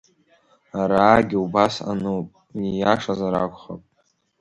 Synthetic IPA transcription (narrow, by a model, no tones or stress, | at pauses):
aɾaːɡʲiubasa̰nɨpʼ | ijaʂazaɾakʷχa̰pʼ